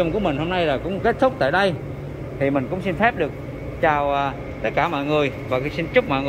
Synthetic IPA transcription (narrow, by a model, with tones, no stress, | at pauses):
ə˧˩ŋ͡mku˧˩əmï˨˩ŋ̟ho˧mna˧jlaː˨˩kʊ̰˧˥ŋ͡mke˦˥t̚t̪ʰʊ˦˥k͡p̚t̪a̰ː˧˨jɗə˧j | t̪ʰi˨˩mï˨˩ŋ̟kʊ̰˧˥ŋ͡msi˧nfɛ˦˥p̚ɗɨ˨˩ək̚ | t͡ɕaː˨˩wː | t̪ə˦˥t̚kaː˧˩mɔ̰˧˨jŋɨ˨˩əjvaː˨˩ksi˧nt͡ɕʊ˦˥k͡p̚mɔ̰˧˨jŋɨ˨˩